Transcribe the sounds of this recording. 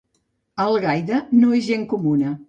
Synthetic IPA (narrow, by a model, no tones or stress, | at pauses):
əlˠɣajðənoeʒeŋkumunə